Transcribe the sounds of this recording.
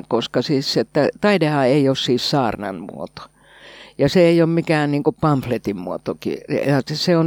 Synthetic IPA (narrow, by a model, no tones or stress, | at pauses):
koskɑsiːsset̪ːæt̪ɑidehɑeiossiːssɑːrnɑ̰nmṵo̰t̪o̥ | jɑseeioːmmikæːnniːŋkuppɑmflet̪immuot̪okḭjɑsseon